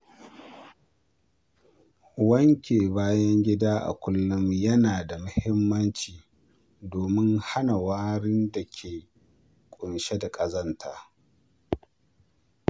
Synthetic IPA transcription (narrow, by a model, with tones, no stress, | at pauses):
wɐ˦ŋkʲeː˨baː˦jɐ˦ŋɡʲɪ˦daː˦ʔa̰˨kʷʊ˦lːʊ˦mjɐ˦naː˨da˨mʊ˦hɪ˦mːɐ˦nt͡ʃiː˨ | doː˨mɪ˦ŋha˦na˨waː˦ɽɪ˦nda˨kʲʰeː˨ | kʷʼʊ˨nʃe˦da˨kʼɐ˦zɐ˦ntʰaː˨